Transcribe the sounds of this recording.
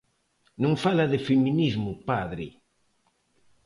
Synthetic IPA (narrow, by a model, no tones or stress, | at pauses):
nõŋfalaðɪfeminizmʊpaðɾɪ